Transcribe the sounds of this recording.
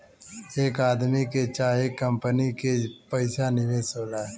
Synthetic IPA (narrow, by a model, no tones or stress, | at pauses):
eːkaːd̪miket͡ʃaːɦekəmpənikepəɪsanɪʋesoːlaː